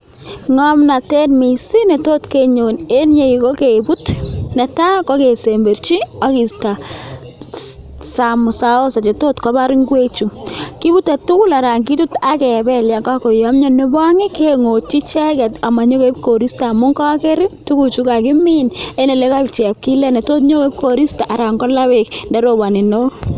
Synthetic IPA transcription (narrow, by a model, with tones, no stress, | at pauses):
ŋɔ˦mna˨te˦nmi˨si˦ne˨to˦tke˦ɲo˨ne˦nɲe˦iko˦ke˨bu˦tnɛ˨ta˦kɔ˦ke˨se˨mbe˨ɾt͡ʃi˦a˦ki˨sta˨ | sa˨mʊ˨sa˦o˦sa˨t͡ʃe˨to˦tkɔ˦ba˦ɾi˦ŋɡwe˦t͡ʃu˨ki˦butːa˨tu˦ku˦la˨ɾa˨ŋki˦tu˦ta˦kɛ˨bɛ˦lja˨ka˦ko˨jɔ˦mɲɔ˦ne˦bɔ˦ŋɪ˦keŋo˨t̚t͡ʃi˦t͡ʃɛ˦kɛ˨ta˨ma˨ɲo˦ke˦p̚ko˨ɾi˦stamʊ˦ŋka˦kɛ˦ɾɪ˦tu˦ku˨t͡ʃu˦ka˨kɪ˦mi˦ne˦ne˨le˦ka˦t͡ʃɛ˨a˨p̚ki˦lɛ˦nɛ˨to˦t̬ɲo˦ke˦p̚ko˨ɾi˦sta˨ʔa˨ɾa˨ŋɡɔ˦la˦we˨kndɛ˦ɾo˨ba˨ni˨no˦